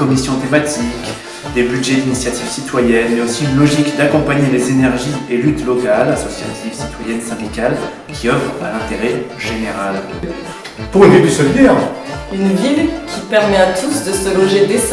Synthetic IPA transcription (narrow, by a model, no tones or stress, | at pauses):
kɔmisjɔ̃t̪emat̪ʰik | d̪ebyd̪ʒɛd̪inisjat̪iv̥sit̪wajɛnmɛosiynlɔʒikd̪akɔ̃paɲelezenɛʁʒielyt̪lɔkalasɔsja̰t̪ʰivsi̥t̪wajɛnsɛ̃d̪ikal | kʲʰiɔfʁãlɛ̃t̪eʁɛʒ̥eneʁal | puʁynd̪edysɔvjɛʁynvilkʲʰipɛʁmɛat̪ʰusd̪əsəlɔʒed̪es